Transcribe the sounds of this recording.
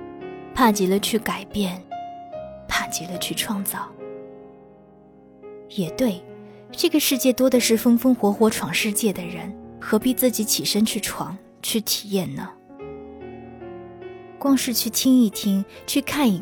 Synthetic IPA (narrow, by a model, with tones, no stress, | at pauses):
pʰa˥˩t͡ɕi˧˥lə˧t͡ɕʰy˥˩ka˨˩ɪpjɛ˥˩n | pʰa˥˩t͡ɕi˧˥lə˧t͡ɕʰy˥˩˧ʈ͡ʂʰwɑ˥˧ŋt͡sɑ˥˩ʊ | jɛ˨˩t̪we˥˩ɪ | ʈ͡ʂɤ˥˩ɡə˩ʂɻ̩˥˧t͡ɕjɛ˥˩t̪wɔ˥d̪ə˨ʂɻ̩˥˩fɤ˥ŋfɤ˥ŋxwɔ˧˥xwɔ˧˥ʈ͡ʂʰwɑ˧˥ŋʂɻ̩˥˧t͡ɕjɛ˥˩d̪ə˩ɻə˧˥nxɤ˧˥pi˥˧t͡sɹ̩˥˩t͡ɕi˧˥t͡ɕʰi˨˩ʂə˥nt͡ɕʰy˥˩ʈ͡ʂʰwɑ̰˧˥ŋ | t͡ɕʰy˥˩t̪ʰi˨˩jɛ˥˩nnə˩ | kwɑ˥ŋʂɻ̩˥˧t͡ɕʰy˥˩t̪ʰi˥ŋi˥˩t̪ʰi˥ŋt͡ɕʰy˥˧kʰa˥˩ni˧˥